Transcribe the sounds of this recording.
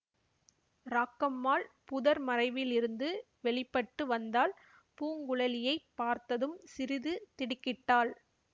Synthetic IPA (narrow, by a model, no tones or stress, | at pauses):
ɾaːkːɐmːaːlpʊðɐɾmɐrɐɪʋɪlɪɾɯnd̪ɯ | ʋɛɭɪpːɐʈːɯʋɐnd̪aːl | puːŋɡʊɭɐlɪjɐɪpːaːɾt̪ɐðɯmsɪɾɪðɯt̪ɪɽɪkːɪʈːaːl